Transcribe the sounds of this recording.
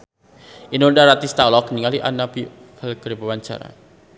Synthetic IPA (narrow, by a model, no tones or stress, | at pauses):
inɔndaɾat̪ist̪alɔkniŋaliʔanapi | kʰəlkəɾipəwaɲt͡ʃa̰ɾa̰